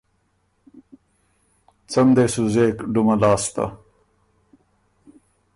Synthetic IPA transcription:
t͡sɐmd̪eːsuzeːkɖumɐlaːst̪ɐ̰

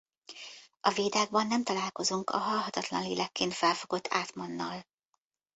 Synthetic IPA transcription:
ɒveːd̪aːɡ̚bɒnːɛmt̪ɒlaːlko̞zuŋkɒ̰ɦɒlɦɒt̪ɒt̪lɒ̰nlḛːlɛkːeːnt̪fɛlfo̞ɡo̞t̪ːʰaːt̪mɒnːɒl

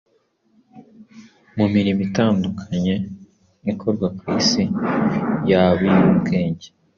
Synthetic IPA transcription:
mumiɾimitaːndukʰaɲe̞ | ikʰo̞ɾɡwakwisi | jaβijubɡe̞ːɲɟe

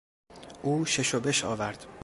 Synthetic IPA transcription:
ʔuːʃeʃobe̞ʃɒ̰ːvæɾd̪̥

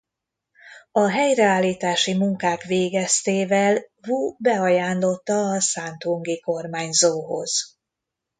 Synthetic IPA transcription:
ɒɦɛjrɛaːlːiːt̪aːʃimuŋkaːkʋeːɡɛst̪eːvɛlvuːbɛɒjaːnlo̞t̪ːɒːsant̪huŋɡiko̞rmaːɲzoːɦo̞̰z̥

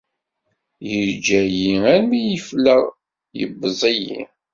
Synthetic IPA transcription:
jəɾd͡ʒæjiæɾmijəfləʁ | jə̰bːəzˤijḭ

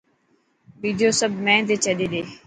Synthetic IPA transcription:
ʋiːd̪ijoːsəbʱmɛ̃ːd̪eːt͡ʃəɗeːɗ̪eː

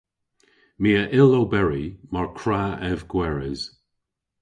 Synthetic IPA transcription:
miːəʔɪlobɛɹimaɹkʰɹaːɛvɡwɛɹɪz̥

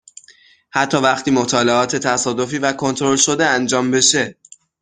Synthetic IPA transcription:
hæt̪ʰːɒːvæχt̪ʰiːmot̪ʰɒːleɒːt̪ʰe̞t̪ʰæsɒːd̪o̞fiːvækʰo̞nt̪ʰoɾo̞lʃo̞d̪e̞ænd͡ʒɒːmbe̞ʃe̞

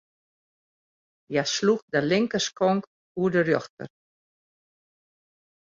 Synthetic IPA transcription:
jasluxdəlɪŋkəskɔŋk | uədərjɔxtə̰r

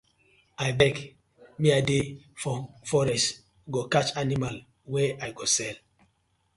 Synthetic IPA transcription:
ajbɛk | miadefɔfɔɾɛst | ɡokat͡ʃanimal | wɛʔajɡosɛl

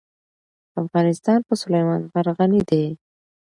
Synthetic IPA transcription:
afɣɑnɪst̪ɑnpəsʊlajmɑnɣaɾɣanid̪e

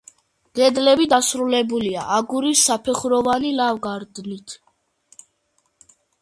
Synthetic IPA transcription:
ɡ̥ɛd̪lɛbid̪asɾulɛbulia̰ʔaɡuɾisːapʰɛχɾɔvanilavɡaɾd̪nit̪ʰ

